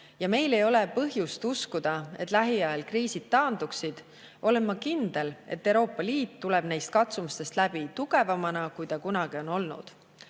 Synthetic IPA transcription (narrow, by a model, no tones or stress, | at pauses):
jɑme̞jle̞jo̞le̞pɤɦjust̪uskud̪̥ɑe̞̰t̪ːˑlæɦiɑelkriːsid̪̥̚tːɑːnd̪̥uksid̪̥ | ʔo̞le̞nmɑkind̪̥e̞le̞̰t̪ːewɾo̞ːpːˑɑliːt̪ːule̞b̥nejst̪̚kɑt̪sumust̪e̞st̪læb̥it̪uɡ̥e̞vɑmɑnɑkujt̪ɑkunɑɡ̥io̞no̞lnṵd̪̥